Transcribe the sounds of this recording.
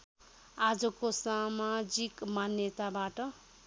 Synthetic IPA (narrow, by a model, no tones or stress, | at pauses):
ad͡zʌkosamad͡zikmanjʌt̪abaʈʌ